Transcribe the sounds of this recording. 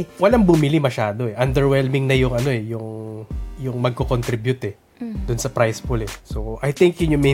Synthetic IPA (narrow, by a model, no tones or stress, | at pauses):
wɐlɐŋbʊmɪlimɐʃaːd̪o̞ɛʔɐnd̪ɛɹwɛlmɪŋnɐjʊŋɐno̞ɛjʊŋ | jʊŋmɐɡ̚kokont̪ɾibjʊt̪ɛ | d̪ʊnsɐpɾajsfʊlɛsoʔɐjt̪ɪŋkjʊɲʊŋmɛ